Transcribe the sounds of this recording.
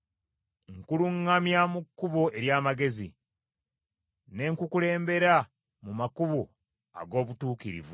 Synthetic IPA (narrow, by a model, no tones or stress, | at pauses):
ŋkuluŋːamjamukːuβoe̞ɾjaːmaɡe̞zḭ | ne̞ŋkukule̞ːmbe̞ɾa | mumakuβo | a̰ɡo̞ːβutuːkiɾḭvu